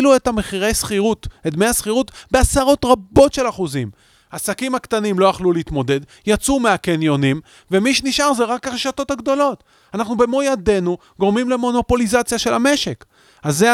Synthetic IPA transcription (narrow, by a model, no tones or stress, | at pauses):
luethameχiʁe̞jsχiʁuted̪mejhasχiʁut̪be̞asaʁo̞t̪ʁabo̞tʃe̞laχuzim | asakimhakt̪animlo̞jaχluleit̪mo̞d̪e̞d̪ | jat͡sumeakenjo̞nim | vemiʃeniʃaʁzeʁakaʁeʃato̞thaɡd̪o̞lo̞t | anaχnube̞mo̞jade̞nu | ɡo̞ʁmimle̞mo̞no̞po̞lizat͡sjaʃe̞lame̞ʃe̞k | aze